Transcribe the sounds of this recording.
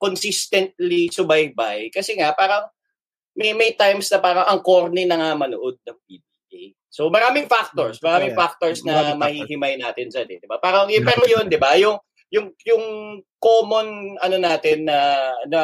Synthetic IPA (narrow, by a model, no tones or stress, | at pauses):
konsist̪ɛnt̪̚lisʊbɐjbajkɐsɛŋapaːɾɐŋ | mɛjmɛjt̪ajmsnɐpaːɾɐŋʔɐŋkoɾnɪnɐŋamɐnʊʔod̪̚nɐŋpiːb̪iːʔej | so̞mɐɾaːmɪŋfak̚t̪oɹsmɐɾaːmɪŋfak̚t̪oɹsnɐmɐhiɦɪmajnaːt̪ɪnsɐd̪ɛ̰d̪ɪbapaːɾɐŋjʊpɛɾojond̪ɪbajʊŋ | jʊŋjʊŋkoːmo̞nɐnonaːt̪ɪnːɐnɐ